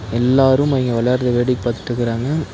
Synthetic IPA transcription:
ɛlːaːɾɯmɐʋɪŋɡɐʋɐlɐɾd̪ɐʋeːɽɪkːpaːɾt̪ːɪ̥ʈɾɯkːɪɾaːŋɡɐ

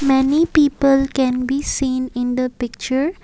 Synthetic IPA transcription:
mɛnipiːpəlkɛ̃nbisĩːnɪ̃nd̪əpɪk̚t͡ʃəɹ

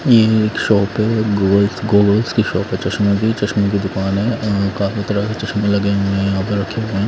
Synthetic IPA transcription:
jekʃɔːpɦɛɡoːlsɡoːɡolskiʃɔːpɦɛt͡ʃɐʃməkit͡ʃɐʃmek̬id̪ʊkaːnɦɛkaːfit̪ɐɾakit͡ʃɐʃmelɐɡeẽaːbeɾɐkʰeɦõẽ

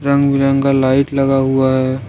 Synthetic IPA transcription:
ɾɐ̃ŋɡbiɾə̃ŋkalaːɪʈlɐɡaɦuaɦɛ

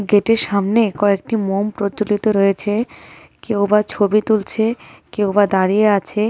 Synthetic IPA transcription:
ɡeʈeɾʃamnekɔek̚ʈimompɾot͡ɕolit̪oɾɔjet͡ɕʰe | kewbat͡ɕʰobit̪ult͡ɕʰekewbad̪aɾijeat͡ɕʰe

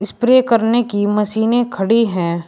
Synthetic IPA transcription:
ɪspɾeːkɐɾnekimɐsiːnekʰɐɽiɦɛ̃ː

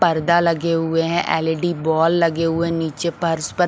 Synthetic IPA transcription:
pəɾd̪aːləɡeːɦʊeːɦɛ̃ʔɛːleːɖiːbɔːlːəɡeːɦʊeːniːt͡ʃeːpəɾspə

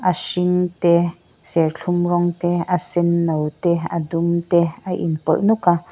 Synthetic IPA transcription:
ʔaʃiŋt̪e | sɛrɬʰumrɔŋt̪easɛnːowt̪eadumt̪eaʔḭnpɔ̰nuka

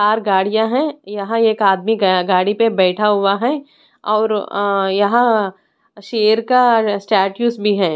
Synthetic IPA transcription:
aːɾɡaːɽijãɦɛ̃jɐɦãeːkaːd̪miɡaːɽipebɛːʈʰaɦʊwaɦɛ | ɔːɾjɐɦã | ʃeːəɾkasʈɛːʈjuːsbʱiɦɛ̃ː

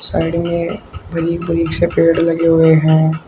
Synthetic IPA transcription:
saːɪɖmẽbɐɾiːkbɐɾiːksepeːɽlɐɡeɦʊeɦɛ̃ː

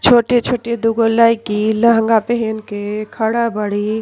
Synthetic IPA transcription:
t͡ʃʰoːʈet͡ʃʰoːʈed̪uɡolaikiləɦəŋɡapeɦenkekʰəɽabəɽi

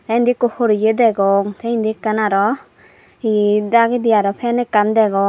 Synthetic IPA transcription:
t̪aind̪ikohoɾijed̪ɛɡɔŋt̪aind̪ikanaɾɔ | id̪aɡid̪ijaɾɔpʰɛnɛkand̪ɛɡɔ

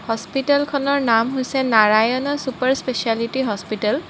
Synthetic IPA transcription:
hɔspitalkʰɔnɔɹnamɦojsɛnaɹajɔnɔsupaɹspesialitiɦɔspital

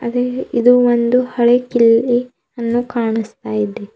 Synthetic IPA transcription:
ɐ̰d̪eid̪uʋond̪uhɐɭekili | ɐnːukaːɳist̪aːjid̪e

